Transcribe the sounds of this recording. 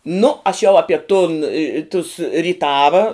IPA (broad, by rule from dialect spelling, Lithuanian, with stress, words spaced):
nʊ ɐʃ jɛʊ ˈɑːpʲiɛ tʊn ɪ ɪ tʊs rʲiːˈtɑːʋɐ